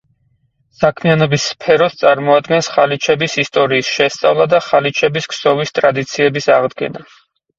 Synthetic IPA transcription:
sakʰmianɔbisːpʰɛɾɔst̪sʼaɾmɔad̪ɡɛnsχalit͡ʃʰɛbisist̪ʼɔɾiːsʃɛst̪sʼavlˠad̪aχalit͡ʃʰɛbiskʰsɔvist̪ʼɾad̪it̪sʰiɛbisaʁd̪ɡɛ̰na

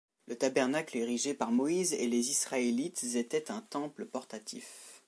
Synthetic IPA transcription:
lət̪abɛʁnakleʁiʒepaʁmɔizḛlezisχaelit̪zet̪ɛt̪ɛ̃t̪ɑ̃pləpɔʁt̪at̪ḭf

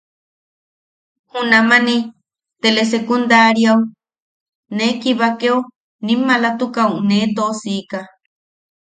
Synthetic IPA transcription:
hunamanĩ | t̪eles̬ekund̪aɾjaw | nekiβakeo | nĩmalat̪ukawned̪osika

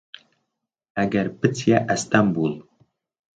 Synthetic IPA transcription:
æɡʲæɾpɨt͡sʰjaʔæst̪ambulˠ

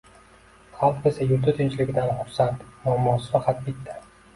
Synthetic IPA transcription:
χɑlˠqe̞sajʊɾt̪ʰɪt̪ʰɪnt͡ʃlɪɡʲɪd̪anχʊɾsant̪mʊamːɒsfaqʰɑt̪̚bɪt̪ʰːa

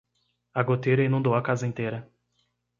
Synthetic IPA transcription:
aɡot̪ejɾɐĩnũd̪owɐkazɐĩnt̪ejɾɐ

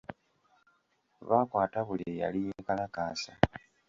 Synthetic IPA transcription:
βaːkwaːtaβuleja̰lijekalakaːsa

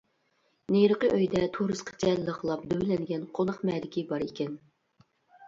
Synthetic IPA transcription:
nejɾəqəʔøjd̪ɛt̪ʰuɾɨsqʰə̥t͡ʃɛlləχəlˠɑp̚d̪øwɪlɛnɡʲɛnqʰonɑχmɛːd̪ɪkʲʰibɑɾekʲɛn

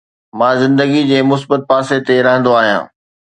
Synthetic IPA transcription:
mãːzɪ̃nd̪əɡid͡ʑeːmʊsbət̪̚paːset̪eɾɐɦə̃nd̪oaːɦijã̰ː

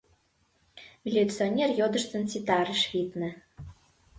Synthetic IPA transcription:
vʲilʲut̪t͡sɨonʲerjod̪ə̆ʃt̪ə̆nt͡sʲit̪ɑɾəʃvʲit̪nə̆

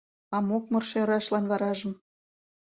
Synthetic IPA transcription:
ɑmok̚mɤ̆rʃeɾɑʃlɑnβɑɾɑʒə̆m

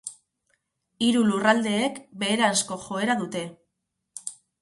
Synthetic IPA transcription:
iɾulurald̪e̞ːkbe̞ːɾaːsko̞xo̞e̞ɾaðut̪e̞

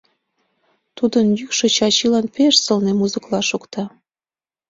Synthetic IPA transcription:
t̪ud̪ənjykʃĕt͡ɕɑt͡ɕilɑnpeʃsɤ̆lnemuzəklɑʃukt̪ɑ

